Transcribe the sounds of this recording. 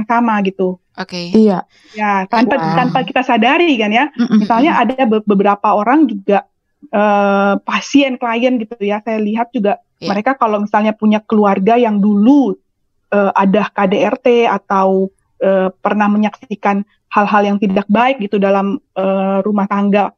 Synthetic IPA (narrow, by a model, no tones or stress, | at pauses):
ŋsamaɡit̪u | oia | jat̪anat̪ant̪akit̪asadaɾikanjamisalɲaʔadabəbəbəɾapaoɾaŋd͡ʒuɡaʔ | əːpasiɛnklajənɡit̪ujasajaliɦat̪̚d͡ʒuɡaʔ | məɾekakalowmisalɲapuɲakəluarɡajaŋdulu | ʔəːʔadahkadeɛrt̪eat̪aw | ʔəːpərnahməɲaksikan | halɦaljaŋt̪idak̚baɪk̚ɡit̪udalaməːrumaht̪aŋɡa